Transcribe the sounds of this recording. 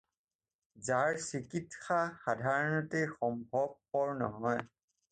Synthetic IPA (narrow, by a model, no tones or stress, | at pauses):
zaɹsikitxaxadʱaɹɔnɔtexɔmbʱɔb̚kɔɹnɔ̰ɦɔj